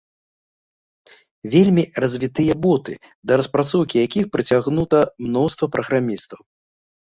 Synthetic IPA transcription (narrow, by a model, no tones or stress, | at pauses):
vʲelʲmʲirɐzʲvʲit̪ɨjɐbɔt̪ɨ̰ | d̪ɐɾɐspɾat̪sɔwkʲijakʲixpɾɨt͡sʲaɣnut̪ɐmnɔwst̪vɐpɾʔɐɣɾamʲist̪ɐw